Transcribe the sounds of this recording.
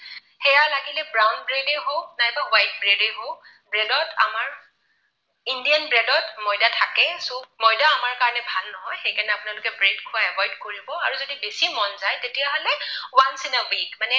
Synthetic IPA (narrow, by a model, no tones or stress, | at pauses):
hɛjalaɡilɛbɹawnbɹedeɦoʊnajbawajt̚bɹedeɦo | bɹɛdɔta̰maɹ | indijanbɹɛdɔtmɔjdatʰakɛsumɔjdaːmaɹkaɹɔnɛbʱalnɔɦɔjxejkanɛapʊnalʊkɛbɹedkʰʊaɛbɔjdkoɹibɔaɹuzodibesimɔnzajtetijaɦolɛwansinawikmanɛ